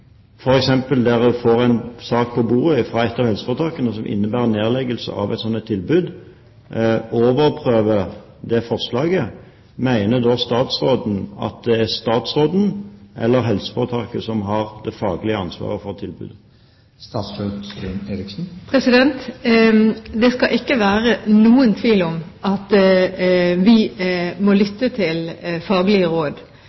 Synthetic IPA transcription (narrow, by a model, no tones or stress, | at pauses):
fɔɾɛksɛmpəld̪æʁd̪ʉfoːʁæɪnsɑːk̚pʰɔbuːʁəfɾɑːɛt̪ːɑʋhɛlsə̥fɔʁt̪ʰɑkənəsɔmʔɪ̰nːəbæːʁneːʁlɛɡəlsə̰ʔɑ̰ʋʔæɪt̪sɔnːət̪ʰːɪlbʉːd̪ | oːʋəʁpʰʁøːʋə | d̪ɛfɔʁslɑːɡə | mæɪnəd̪ɔst̪ɑːt̪sʁoːd̪n̩ɑ̰t̪̚d̪ɛæʁst̪ɑːt̪sʁoːd̪n̩ʔɛ̰lːəɾɦɛlsə̥fɔət̪ʰɑkəsɔmɦɑʁd̪ɛfɑːɡlɪəɑnsʋɑ̰ːʁəfɔʁt̪ʰɪlbʉ̰d̪ | st̪ɑːt̪søsʉneːɾɪksn̩pʰɾɛsɪd̪ɛnt̪ | d̪ɛskɑʔɪkːəʋæːɾənuːənt̪ʰʋiːlɔmɑt̪ | ʋɪmɔlʏt̪ːət̪ʰɪlfɑːɡlɪəʁoːd̪